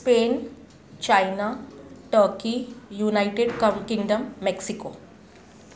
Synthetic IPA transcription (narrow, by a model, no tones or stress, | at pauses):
speːn | t͡ʃajnaːʈəːɾkijunajʈeɖkɐkiŋɖɐmːeksikoː